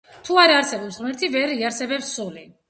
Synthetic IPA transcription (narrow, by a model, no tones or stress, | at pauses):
t̪ʰuaɾaɾsɛbɔpsʁmɛɾt̪ʰivɛɾiaɾsɛbɛpsːuli